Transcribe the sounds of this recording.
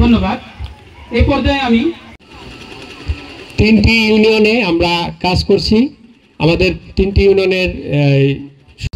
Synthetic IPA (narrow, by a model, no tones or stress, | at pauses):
d̪ʱonːobad̪ | ejpɔɾd̪ejami | t̪inʈijunioneamɾakad͡ʑkoɾt͡ɕʰi | amad̪eɾt̪inʈijunioneɾ | ʃ